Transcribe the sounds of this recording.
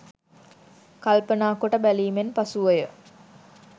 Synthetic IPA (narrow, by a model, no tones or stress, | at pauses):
kalpənaːkoʈəbæliːmenpasuʋəjə